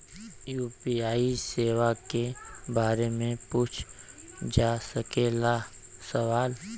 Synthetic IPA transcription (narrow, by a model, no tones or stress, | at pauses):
juːpiaːiseːʋakebaːɾemẽpuːt͡ʃʰd͡ʒaːsəkeːlasəʋaːl